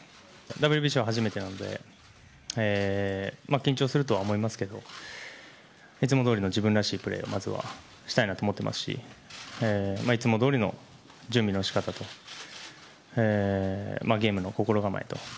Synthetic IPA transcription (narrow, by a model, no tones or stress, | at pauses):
d̪abɯɾʲibʲiɕiβaɦaʑime̞t̪e̞nano̞d̪e̞̰ | eːmakʲĩɲ̟t͡ɕo̞ːsɨɾɯ̟t̪̬o̞βaomo̞imasɨ̥ke̞d̪o̞̰ | it͡sɨmod̪o̞ːɾino̞d͡ʑibɯ̟̃nɾaɕiːpɯ̟ɾe̞̰ːo̞̰mʔazɨβa̰ | ɕi̥t̪ainat̪oːmot̪ːemʔa̰sɨ̥ɕḭemait͡sɨmo̞d̪o̞ːɾʲino̞ | d͡ʑɨ̃mbʲino̞ɕi̥kat̪at̪o̞ | eːmaɡʲe̞ːmɯ̟no̞ko̞ko̞ɾo̞ɡama̰ḭt̪o̞̰